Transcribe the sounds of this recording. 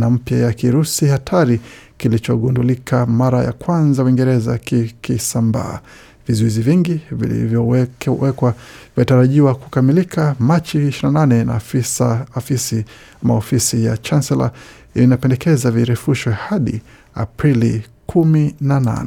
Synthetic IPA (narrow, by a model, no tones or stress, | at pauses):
nam̩pjajakiɾusihatʰaɾi | kilit͡ʃɔɠundulikʰamaɾaja̰kwanzawiŋɡɛɾɛza̰kikisamba̰ː | vizuiziviŋɡivḭlḭvjɔɛwɛkwaviitaɾaʄiwaku̥kamilikʰamat͡ʃiiʃiɾinananɛna̰fisafisi | maɔfisijat͡ʃansɛla̰ | ilinapɛndɛkɛzaviɾɛfuʃwɛhaɗḭ | a̰pɾili | kʰuminana̰nɛ